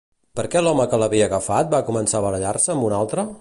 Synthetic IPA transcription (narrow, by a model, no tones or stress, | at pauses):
pəɾkɛlɔməkələβiəɣəfat̪̚bakumənsaβəɾəʎarsəːmbunalˠt̪ɾə